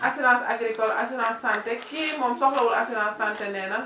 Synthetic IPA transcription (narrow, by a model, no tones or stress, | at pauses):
ʔasinãnsa̰ɡɾikɔla̰sunãsːantɛkimɔmsɔklɔwolasinãnsːantɛnɛna